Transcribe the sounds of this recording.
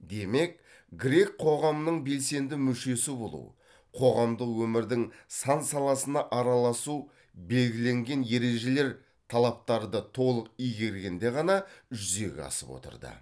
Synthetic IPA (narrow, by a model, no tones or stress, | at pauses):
d̪e̞me̞k̚ | ɡɾʲe̞k̚qʰo̞ʁɑmənəɴbe̞lse̞nd̪ɪmʏʃe̞sɪbo̞lˠṵw | qʰo̞ʁɑmd̪əqwɵmɪɾd̪ɪŋsɑnsɑlˠɑsənɑʔɑɾɑlˠɑsu | be̞lɡʲɪle̞ŋɡʲe̞nje̞ɾe̞ʒe̞le̞ɾ | t̪ʰɑlˠɑp̚t̪ɑɾd̪ət̪ʰo̞lˠəqijɡʲe̞ɾɡʲe̞nd̪e̞ʁɑnɑʒʏze̞ɡʲḛɑ̰səpwo̰t̪ə̰ɾd̪ə̰